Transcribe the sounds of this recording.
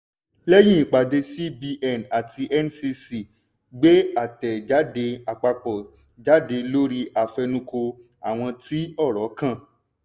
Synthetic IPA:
lɛ˦j̃ĩ˦˨i˨k͡pa˨de˧si˦bi˧ʔɛ˦˨na˨tʰi˧ʔɛ˦n˦si˧si˨ | ɡ͡be˦a˦˨tɛ˨d͡ʒa˨˦de˧˦a˨k͡pa˧k͡pɔ˨ | d͡ʒa˨˦de˧lo˦ɾi˧ʔa˨fɛ˧nũ˧ko˧ | a˨w̃ɔ̃˧ti˦ɔ˦˨ɾɔ˨˦kã˦˨

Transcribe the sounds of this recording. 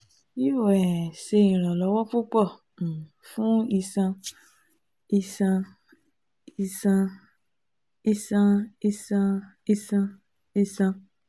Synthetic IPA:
i˦o˦˨ɛ˨se˧ĩ˨ɾ̃ã˨lɔ˨˦wɔ˦fu˦k͡pɔ̃˦˨ | fũ˦i˧sã˧ | i˧sã˧ | i˧sã˧ | i˧sã˧i˧sã˧ | i˧sã˧ | i˧sã˧

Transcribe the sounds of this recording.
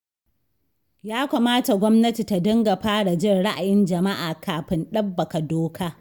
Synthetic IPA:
jaː˦kʷɐ˨maː˦ta˨ɡʷɔ˦mnɐ˦ti˨ta˨dɐ˦ŋɡa˨ɸaː˦ɽa˨d͡ʒɪ˦˨nɽa˦ʔa̰˨jɪ˦nd͡ʒɐ˨ma˦ʔaː˨kʰaː˨ɸɪ˦nɗɐ˦bːɐ˨ka˨doː˦kʰaː˦

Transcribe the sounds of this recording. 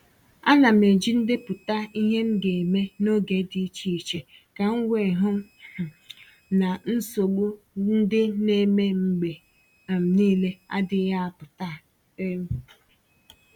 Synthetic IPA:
a˦na˨m̩e˨d͡ʒi˦n̩˦dɪ˦pʊ˨ta˦i˦ɦe˦ŋ̩˦ɡe˨me˦no˦ɡe˨˦di˨˦t͡ʃi˦i˨t͡ʃe˨ | ka˨ŋ̩˦wʷe˨ɦʊ˦˨ | na˨n̩˦so˨ɡ͡bu˦ | n̩˦dɪ˦ne˦me˦ŋ͡m̩˨ɡ͡be˨ | m̩˨niː˦le˦a̰˦dɪ˦ja˦a˨pʊ˨ta˦ | e˦m̩˦

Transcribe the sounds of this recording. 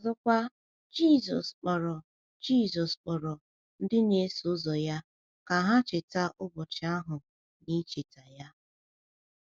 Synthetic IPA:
ɔ˨zʊ˦kʷa˦ | d͡ʒi˦˨zɔ˨sk͡pɔ˨ɾɔ˨ | d͡ʒi˦zɔ˨sk͡pɔ˨ɾɔ˨ | n̩˦dɪ˦ne˦sʊ˦zɔ˨ja˦ | ka˨ɦa˦t͡ʃɪ˨ta˦ʔʊ˦bɔ˨t͡ʃɪ˨˦a˦ɦʊ˨ | ni˦t͡ʃɪ˨ta˨ja˦

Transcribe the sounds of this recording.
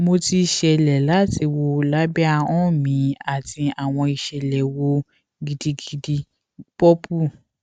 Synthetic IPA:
mo˧ti˧ʃɛ˧˨lɛ˨la˦ti˧wo˧la˦bɛ˦a˧ɔ̃˦˨mĩ˨˦a˨ti˧a˨w̃ɔ̃˧i˧ʃɛ˨lɛ˨wo˧ | ɡi˨di˧ɡi˨di˧ | pɔ˦pu˦˨

